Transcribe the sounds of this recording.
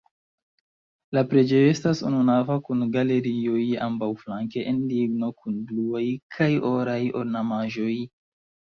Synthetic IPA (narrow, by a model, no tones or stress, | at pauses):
lapɾe̞d͡ʒe̞joe̞stasṵnunavakunɡale̞ɾio̞ja̰mbawflaŋke̞ʔenliɡno̞kʰunbluajkʰajo̞ɾajo̞̰ɾnamaʒo̞j